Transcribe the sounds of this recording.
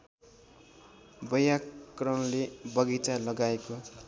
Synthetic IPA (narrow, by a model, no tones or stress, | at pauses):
bʌjarʌnlebʌɡit͡salʌɡaeko